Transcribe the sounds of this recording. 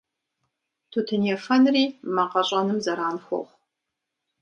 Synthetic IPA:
tʰutʰɨnjɛfɐnriːmɐqɐɕʼɐnɨmzɐɾaːnxʷɔ̰χʷ

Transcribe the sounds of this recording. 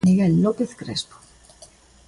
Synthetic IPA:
niɣelːopeθkɾespo̥

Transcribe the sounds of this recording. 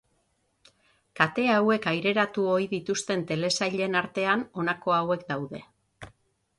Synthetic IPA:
kat̪e̞awe̞kajɾe̞ɾat̪uo̞iðit̪ust̪e̞nt̪e̞le̞sajʎe̞naɾt̪e̞ano̞nako̞awe̞kd̪awðe̞̰

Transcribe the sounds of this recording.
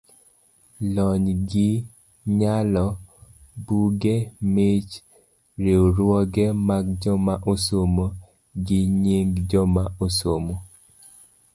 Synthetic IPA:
lɔɲɡɪ | ɲalɔ | buɡemet͡ʃ | ɾeoɾwɔɡɛmaɡd͡ʒɔmaʔosomo | ɡɪɲiŋɡd͡ʒɔmaosomo

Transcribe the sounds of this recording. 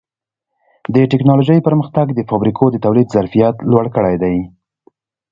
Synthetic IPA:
d̪əʈɪknɑloʒəjpəɾməxt̪aɡd̪əfɑbɾikʰod̪ət̪awlid̪zaɾfijat̪lwaɽkəɽajd̪aj

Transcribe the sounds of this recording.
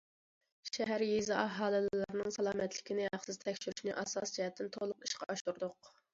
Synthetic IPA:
ʃɛɦæɾjezɨʔɑɦɑːlˠɨllɨɾnɨŋsɑlˠɑːmɛt̪lɪkʲinɪɦɑχsɨzt̪ʰɛkʲʃyɾyʃnɪʔɑsɑsd͡ʒiɦɛt̪ʰːɪnt̪ʰolˠʊqi̥ʃqʰɑɑʃuɾd̪ʊq

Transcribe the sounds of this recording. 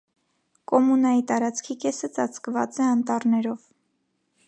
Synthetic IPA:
kɔmunɑjit̪ɑɾɑt͡skʰikɛsət͡sɑt͡sʰkvɑ̰t͡sɛɑnt̪ɑɾnɛɾɔv

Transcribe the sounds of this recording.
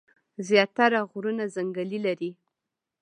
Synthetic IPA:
zjɑt̪aɾaɣɾunazaŋɡalilaɾi

